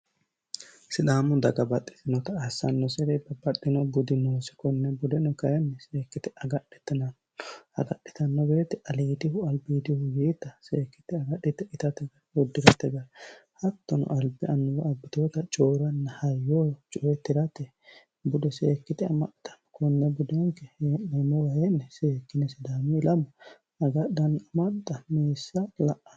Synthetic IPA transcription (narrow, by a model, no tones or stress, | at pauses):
sɪd̪aːmʊd̪ɐɡɐbɐt̪ʼːɪ̥t̪ɪnɔt̪ɐasɐnːɔsɛɾɛbɐbɐt̪ːɪnɔbʊd̪ɪnoːsɪ̥kɔnːɛbʊd̪ɛnɔkɐjɐnːɛseːkːɪt̪ɪʔɐɡɐɗːɛ̥t̪ːɪnɐn | ɐ̰ɡɐɗːɪt̪ɐnːɔbeːt̪ɛʔɐliːd̪ɪhʊɐlbiːd̪ɪhʊjeːt̪ːɐseːkːɪ̥t̪ɪɐɡɐɗɪt̪ɛɪt̪ɐt̪ɛɡɐwɔd̪ːɪɾɐt̪ːɛɡɐhɐt̪ːɔnʊ̰ʔɐlbɪɐnːɔwɐɐbːɪt̪oːt̪ɐt͡ʃʼoːɾɐnːɐhɐjːoːt͡ʃʼɔɛt̪ːɪɾɐt̪ɛ | bʊd̪ɛseːkːɪt̪ɛɐmɐt̪ɐ̥nkʊnːɛbʊd̪ɛŋkɛhenːɐnɔwɐhenːɛseːkːɪnɛsɪd̪aːmɪɪlɐmʊ | ɐɡɐɗːɐnɐmɐt̪ʼːɐmeːsːɐlɐʔɐ̥